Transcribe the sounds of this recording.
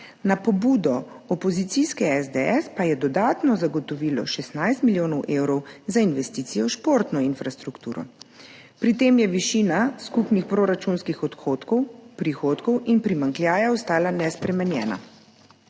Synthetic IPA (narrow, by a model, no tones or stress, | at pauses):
napɔbuːd̪ɔɔpɔzit̪siskɛɛzd̪eɛspajɛd̪ɔd̪aːt̪nɔzaɡɔt̪ɔʋiːlɔ̰ʃɛsnajst̪miljoːnɔwʔeːwɾɔwzainʋɛst̪iːt̪sijɔʃpoːɾt̪nɔinfɾast̪ɾukt̪uːɾɔ̰ | pɾit̪eːmjɛʋiʃiːnaskupnixpɾoɾat͡ʃunskixɔt̪ot̪pɾixoːt̪kɔwinpɾimaŋklʲjaːjaɔst̪aːlanɛspɾɛmɛnjɛ̰ːna̰